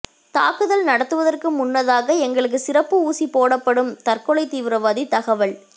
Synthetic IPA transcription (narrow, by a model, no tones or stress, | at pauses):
t̪a̰ːkɯðɐlnɐɽɐt̪ːɯʋɐðɐrkɯmʊnːɐðaːɣɐɛŋɡɐɭɯk̬ːɯsɪrɐpːɯuːsipoːɽɐpːɐɽɯmt̪ɐrkɔɭɐɪt̪iːʋɪɾɐʋaːðit̪ɐɣɐʋɐɭ